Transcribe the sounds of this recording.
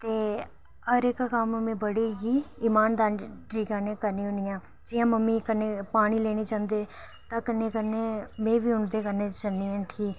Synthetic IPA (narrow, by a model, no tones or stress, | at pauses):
t̪eː | ɦəɾɪkkammẽːbəɽiːɡiːɪːmaːnd̪aːnʈɾiːɡaːnẽːkəɾnĩːɦʊ̃nɪjãː | d͡ʒɪjãːməmːiːkənːeːpaːɽ̃iːleːɽ̃iːt͡ʃãːnd̪eː | t̪ãːkənːẽːkəneːmẽːʋiːʊɳd̪eːkəneːt͡ʃənːiːə̃ːʈʰiː